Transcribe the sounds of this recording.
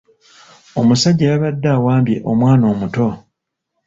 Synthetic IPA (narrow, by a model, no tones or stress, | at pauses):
o̞musaɟːajaβadːawaːmbjḛʔomwaːno̞ːmuto̞